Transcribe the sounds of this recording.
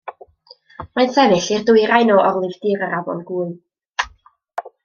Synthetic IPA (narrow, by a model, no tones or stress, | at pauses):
majnsɛvɪɬirdʊɨɾajnɔʔɔrlˠɪvd̥ɪɾəɾavɔ̰lˠɡuːɨ